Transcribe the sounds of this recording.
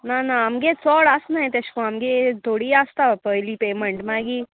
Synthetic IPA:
nanɐmɡet͡sɔːɽaːsnajt̪ɐʃkoɐmɡet̪oɽiaːst̪apəjlipeːmeɳʈmaːɡi

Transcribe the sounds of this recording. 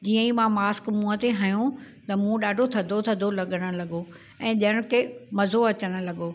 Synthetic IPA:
d͡ʑiːə̃imãmaːskmũːət̪eɦaːjũt̪ɐmũɗaːɖʱot̪ʰɐd̪ʱot̪ʰɐd̪ʱolɐɠəɽ̃ʊ̆lɐɠo | ɛ̃ːɗɪjəɽ̃kʰeːmɐzoɐt͡ɕəɽ̃ʊ̆lɐɠo

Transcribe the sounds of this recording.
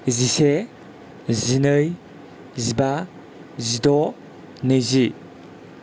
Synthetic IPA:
zise | zinɯj | ziba | zidɔ | nɯjzi

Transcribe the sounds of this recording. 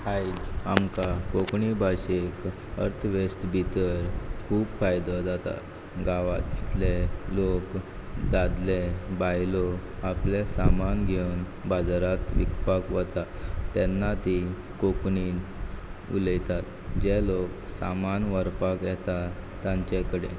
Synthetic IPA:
hait͡samkakokɳibʱaɕek | ə̰ɾt̪ʰʋesʈ̪bʱit̪əɾkʰuːpfajd̪ɔd͡zat̪a̰ | ɡaʋat̪lelok | d̪ad̪lebajlɔ | aplesamanɡʱen | bad͡zaɾat̪ʋḭkpakʋət̪at̪ːɛnːat̪i | kokɳi | ṵləjt̪at̪ | d͡ʑeloksamanʋəɾpakjɛt̪a | t̪ːjãɲt͡ɕekəɽḛ

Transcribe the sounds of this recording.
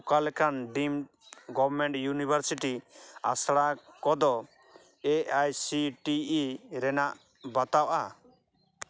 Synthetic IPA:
kalɛkʰanɖim | ɡɔbɾmɛɳʈjunibʱaɾsiʈia̰sɽakɔd̪ɔ | ɛajsiʈiːɾɛnaʔ | bat̪awʔa

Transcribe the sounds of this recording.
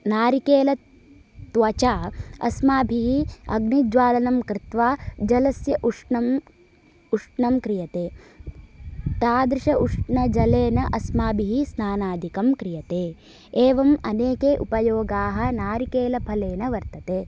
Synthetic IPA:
naːɾikeːlɐ | t̪ʋɐt͡ʃaːɐ̰smaːbʱiɦiɐ̰ɡnid͡ʒʋaːlɐnɐmkɾɪt̪ʋaːd͡ʒɐlɐsjɐʔuʂɳɐm | uʂʈɳɐmkɾijɐt̪eː | t̪aːd̪ɾiʃɐʔuʂʈɳɐd͡ʒɐleːnɐʔɐsmaːbʱiɦisnaːnaːd̪ʱikɐmkɾijɐt̪eː | eːʋɐmɐneːkeːʔupɐjoːɡaːɦɐ̆naːɾikeːlɐpʰɐleːnɐʋɐɾt̪ɐt̪eː

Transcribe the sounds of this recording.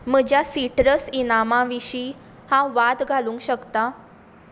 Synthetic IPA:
m̤əd͡ʑjasiʈɾəsinamãʋiɕiː | hãʋad̪ɡʱalũːŋkɕəkt̪a

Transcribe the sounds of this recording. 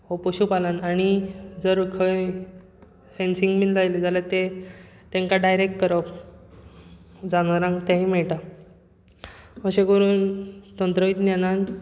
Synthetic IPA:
opəɕupalanañid͡zəɾukʰəj | fensiŋɡminlajled͡zalat̪e | t̪ẽŋkaɖajɾek̚ʈkəɾɔp | d͡zanʋaɾãŋɡt̪ãɦimɛɭʈa | məɕẽkəɾuːnt̪ənt̪ɾəit̪njanan

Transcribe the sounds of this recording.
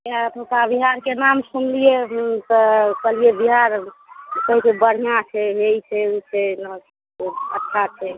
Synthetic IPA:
at̪ʰokabiɦaɾkenamsumlijet̪ɔkəlijebiɦaɾkəɦikebəɽ̤ijãt͡ʃʰɛɦeit͡ʃʰɛut͡ʃʰɛns | ə̰tːʃʰat͡ʃʰɛ

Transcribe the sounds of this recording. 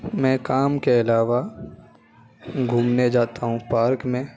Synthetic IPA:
mɛ̃ːkaːmkeɐlaːʋa | ɡʱuːmned͡ʒaːt̪aɦũpaːɾkmẽː

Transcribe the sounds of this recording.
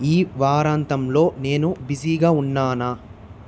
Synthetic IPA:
iːʋaːɾaːnt̪ɐmlo̞ːne̞ːnubisiɡaːunːaːna

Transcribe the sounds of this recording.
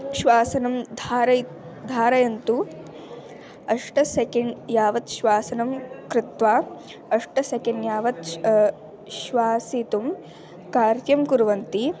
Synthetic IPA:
ʃʋaːsɐnɐmd̪ʱaːɾɐ | d̪ʱaːɾɐjɐnt̪u | ɐʂʈɐsekɐɳɖjaːʋɐt̪ʃʋaːsɐnɐmkɾɪt̪ʋaː | ɐʂʈɐsekeɳjaːʋɐt̪ | ʃʋaːsit̪um | kaːɾt̪jɐmkuɾuʋɐnt̪i

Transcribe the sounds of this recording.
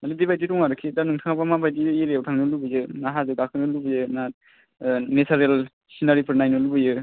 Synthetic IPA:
malidibajdiɾɔŋaɾɯkʰidanɯŋtʰaŋabamabajdieɾejawtʰaŋnɯlubɯjɯnaɦazɯɡakʰɯnɯlubɯjɯna | nesʰaɾel | sinaɾipʰɯɾnajnɯlubɯjɯ

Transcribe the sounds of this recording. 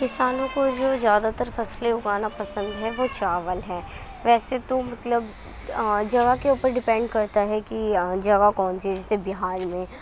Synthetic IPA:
kɪsaːnõkod͡ʒoːzjaːd̪at̪əɾfɐsleʊɡaːnapɐsə̃nd̪ɦɛʋot͡ʃaːʋəlɦɛː | ʋɛːset̪omɐt̪ləb | d͡ʒɐɡakeuːpəɾɖɪpɛ̃ɳɖkɐɾt̪aɦɛkid͡ʒɐɣakɔːnsiɛd͡ʒɛːsebɪɦaːɾmẽː

